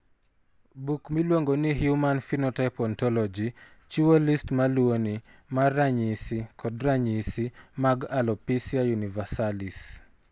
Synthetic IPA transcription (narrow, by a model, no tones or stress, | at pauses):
bukmilwoŋɡoniɦjumanfinɔtaɪpɔntɔlɔd͡ʒi | t͡ʃuolistmaluoni | maraɲisikʰɔdɾaɲisimaɡalɔpisiajunivasalis